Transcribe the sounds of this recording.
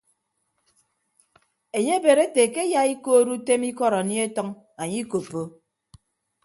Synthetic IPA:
e˨ɲe˦be˨ɾe˦te˨ke˦ja˦i˦ko˦ɾu˦te˦mi˦kɔ˦ɾa˨ni˦e˦tɔ˦ŋ | a˨ɲi˦ko˨pːo˦

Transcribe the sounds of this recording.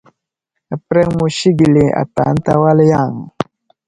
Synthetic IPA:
a˨pɾɛ˦ŋmu˨ʃi˦ɡi˨le˨a̰˨ta̰˨˦n̩˦ta˦wa˦lja˦˨ŋ˨

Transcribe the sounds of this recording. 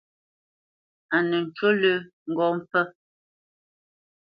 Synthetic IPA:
a˨nə˨n̩˨t͡ʃwo˦lə˦ŋ̩˨ɡɔ˦m˦pə˦

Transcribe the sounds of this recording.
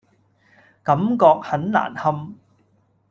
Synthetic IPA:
kɐ˨˥mkɔː˧k̚hɐ˨˥nla̰ː˨˩nhɐ˧m

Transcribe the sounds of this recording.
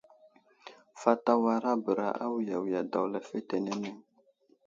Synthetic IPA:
fa˦ta˦wa˦ɾa˦bə˨ɾa̰˦ʔa̰˦wja˨wi˨ja˨da˨wlɛ˨fe˦tɛ˨nɛ˦nɛ˦

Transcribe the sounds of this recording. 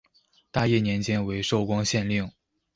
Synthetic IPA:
t̪a˥˧jɛ˥˩njɛ˧˥nt͡ɕjɛ˥nwe˧˥ɪʂo˥˩ʊkwɑ˥ŋɕjɛ˥˧nli˥˩ŋ

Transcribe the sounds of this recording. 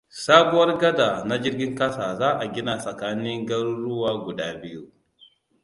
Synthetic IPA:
saː˦bʊ˦wɐ˦rɡɐ˦da˨na˦d͡ʒɪ˦rɡʲɪ˦ŋkɐ˦saː˨zaː˦ʔa˨ɡʲɪ˦na˨sɐ˨kaː˦nɪ˦ŋɡɐ˦ɾu˦ɽʊ˦waː˦ɡʷʊ˨daː˦bɪ˦ju˦ʔ

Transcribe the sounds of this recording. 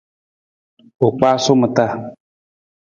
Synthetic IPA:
o˨k͡pa˦sʊ˦mɨ˨t̪a˦˨

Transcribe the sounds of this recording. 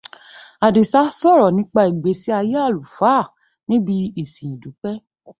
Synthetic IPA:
a˨di˨sa˨˦sɔ˦˨ɾɔ˨nĩ˨˦k͡pa˧i˨ɡ͡be˨˦si˦a˧je˦a˦˨lu˨fa˨˦˨ | nĩ˦bi˧i˦˨sĩ˨ĩ˨du˨˦k͡pɛ˦

